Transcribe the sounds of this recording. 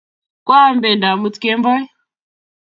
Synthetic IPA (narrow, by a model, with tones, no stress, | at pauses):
kwa˦mbɛ˨nda˨mu˦tkɛ˦mbɔ˦i˦